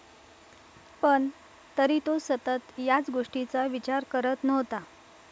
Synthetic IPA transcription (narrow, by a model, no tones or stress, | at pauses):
pəɳ | t̪əɾiːt̪osət̪ət̪jat͡sɡoʂʈit͡saʋit͡ɕaɾkəɾət̪nəʋt̪a